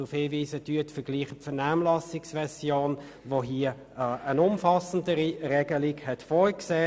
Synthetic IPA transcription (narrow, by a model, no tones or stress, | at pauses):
ʊfhɪːviːsədyətfəɡ̥liːχəpfənaːmlɑsɪksvɛsjoːn | voɦiə | ənʊmfɑsən̩dəɾiʁɛɡəliɡhɛtfɔʏkseː